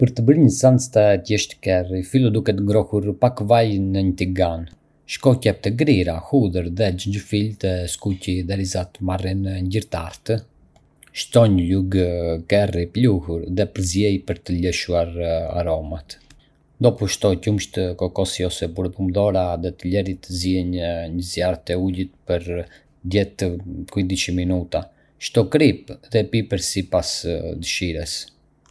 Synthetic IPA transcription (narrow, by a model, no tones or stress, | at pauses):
pəɾt̪əbɾiɲəsant͡st̪ɛt̪jɛʃt̪ə̥kɛrifilˠəd̪ukɛt̪əŋɡɾɔhuɾpakvajnəɲət̪iɡan | ʃkɔcɛp̚t̪əɡɾiɾahuðəɾðɛd͡ʒəɲd͡ʒəfilt̪əskuciðɛɾizat̪əmarinəɲɟiɾt̪aɾt̪ə | ʃt̪ɔɲəluɡkɛripluhuɾðɛpəɾzjɛjpəɾt̪əlɛʃuaɾa̰ɾɔmat̪ | nd̪ɔpuʃt̪ɔcumʃt̪əkɔkɔsiɔsɛpuɾəpumd̪ɔɾaðɛt̪əlɛɾit̪əziɛɲɲəzjaɾt̪ɛulit̪pəɾ | d̪jɛt̪əkuid̪it͡ʃəminut̪a | ʃt̪ɔkɾipðɛpipəɾsipasd̪əʃiɾɛs